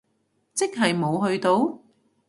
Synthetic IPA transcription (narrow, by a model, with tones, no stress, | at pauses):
t͡sɪ˥k̚ɦɐ˨jmo˨˧wɦɵ˧ɥt̪o˧w